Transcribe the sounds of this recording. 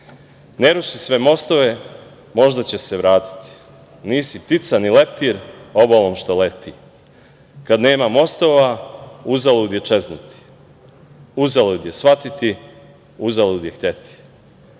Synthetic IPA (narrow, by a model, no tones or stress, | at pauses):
neɾuʃisʋe̞mo̞st̪oʋe | mo̞ʒd̪at͡ɕe̞se̞ʋɾaːt̪i̥t̪i̥ | niːsipt̪it̪sanile̞p̚t̪iɾobalomʃt̪olet̪i | kad̪ne̞ːmamo̞st̪oʋauzalud̪jet͡ʃe̞znut̪i̥ | uzalud̪jesʋat̪it̪i | uzalud̪jext̪e̞t̪i̥